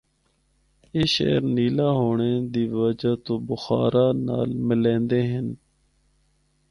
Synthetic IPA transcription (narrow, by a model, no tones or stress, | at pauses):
eːʃḛːɾniːlaːɦoːɳeːd̪iːʋəd͡ʒaːt̪õːbʊxa̰ːɾaːna̰ːlmɪlẽːnd̪eːɦən